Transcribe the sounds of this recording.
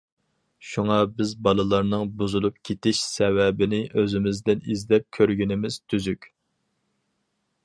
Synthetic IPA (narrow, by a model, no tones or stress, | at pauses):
ʃuŋɑbɪzbɑlˠɨlˠɑɾnɨŋbuzulˠup̚kʲʰet̪ɪʃsɛwɛbɪnɪʔøzɪmɪzd̪ɪnizd̪ɛp̚kʲʰøɾɡʲinɪmɪz̥t̪ʰyzykʲ